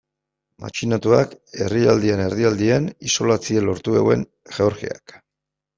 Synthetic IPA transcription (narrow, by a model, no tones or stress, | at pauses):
ma̰t͡ʃinat̪uake̞riald̪iene̞ɾðiald̪ieniso̞lat͡sielo̞ɾt̪uḛɣwe̞̰n | ʝe̞o̞ɾxia̰k